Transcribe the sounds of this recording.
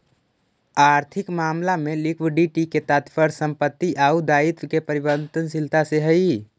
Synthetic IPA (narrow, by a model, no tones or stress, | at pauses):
aːɾt̪ʰɪkmaːmlamẽlikʰwɪɖiʈiket̪aːt̪fʰəɾsə̃mpət̪ːiʔaud̪aːɪt̪kepəɾibənt̪ənsɪlt̪ʰaseɦəi